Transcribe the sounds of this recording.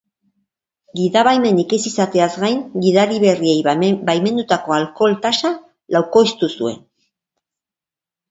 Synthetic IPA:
ɡiðaβajme̞nikesisat̪e̞azɡajŋɡiðaɾiβe̞rie̞jbajme̞nd̪ut̪ako̞alko̞lt̪asa | lawko̞jst̪usue̞̰n

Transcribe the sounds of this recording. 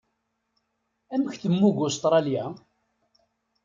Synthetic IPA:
æməçθəmːuɡʊst̪ɾˤɑljæ

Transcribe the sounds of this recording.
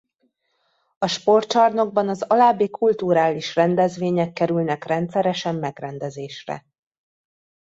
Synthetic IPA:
ɒʃpo̞rt͡ʃɒrno̞ɡ̚bɒnɒzɒlaːbːeːkʰult̪uɾaːliʃrɛnd̪ɛzʋeːɲɛkːɛɾylnɛkrɛnt̪sɛɾɛʃɛmːɛɡrɛnd̪ɛzeːʃrɛ̰

